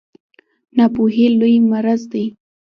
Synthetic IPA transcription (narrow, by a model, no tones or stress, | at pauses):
napuɦelojmaɾazd̪aj